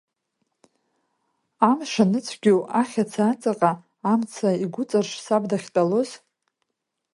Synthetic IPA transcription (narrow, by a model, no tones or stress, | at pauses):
amʂanɨt͡sʷʰɡʲowʔaχʲat͡sʰaːt͡sʼaqʼaː | mt͡sʰaiɡʷʊt͡sʼarʂsabdaχʲtʼalo̞z